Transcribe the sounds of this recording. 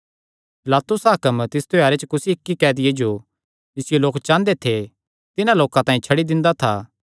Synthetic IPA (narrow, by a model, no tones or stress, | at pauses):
pɪlaːt̪ʊsaːkəmt̪ɪst̪ʰojaːɾet͡ʃəkʊsiɪkːikɛːd̪ɪjed͡ʒo | d͡ʒɪsɪjeloːkt͡ʃãːnd̪et̪ʰe | t̪ɪnãloːkãt̪ãːĩt͡ʃʰɐɽid̪ɪ̃nd̪at̪ʰaː